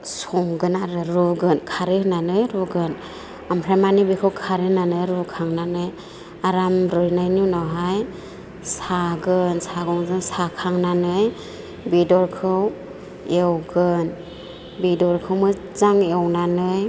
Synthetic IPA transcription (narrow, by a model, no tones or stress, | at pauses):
sɔŋɡɯnaɾɯɾuɡɯnkʰaɾɯnanɯjɾuɡɯn | ampʰɾajmanibikʰɯwkʰaɾɯnanɯjɾukʰaŋnanɯj | aɾamɾɯjnajnunɔɦaj | saɡɯnsaɡɔŋzɯŋsakʰaŋnanɯj | bidɔɾkʰɯw | ewɡɯn | bidɔɾkʰɯwmɯ | zaŋewnanɯj